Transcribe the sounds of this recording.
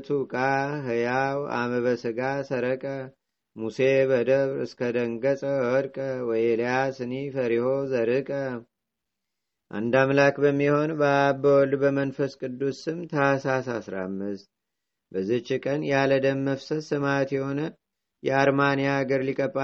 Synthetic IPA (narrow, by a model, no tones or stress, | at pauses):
t̪ʰukʼaɦɨjawa̰məβəsɨɡasəɾəkʼə | museβəd̪əβɾɨ̰skʰəd̪əŋɡəsʼəwɔɾkʼəwɔjeljasɨnifəɾiho̞zəɾɨkʼə | ʔa̰nd̪amlakbəmːiho̞nbəabəwɔlbəmənfəskʼɨd̪ːusɨmt̪ʰəasas̬asɾa̰mːɨst̪̚ | bəzɨt͡ʃːikʼənjaləd̪əmːəfsət̪sɨmat̪jɛho̞nə | jɛaɾmanijaːɡəɾlikʼəbʼa